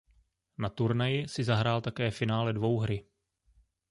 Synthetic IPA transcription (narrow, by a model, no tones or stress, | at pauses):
nat̪uɾnajɪsɪzaɦɾaːlt̪akɛːfɪnaːlɛdvo̞wɦɾɪ